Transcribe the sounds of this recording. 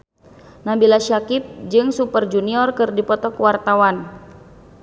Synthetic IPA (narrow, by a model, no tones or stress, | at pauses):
nabilaʃakip̚d͡ʒɨŋsupərd͡ʒuniɔrkɨrdipɔt̪ɔkwart̪awan